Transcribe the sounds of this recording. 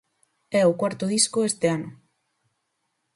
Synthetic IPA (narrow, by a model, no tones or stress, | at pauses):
ɛokwaɾt̪oð̞iskoest̪eano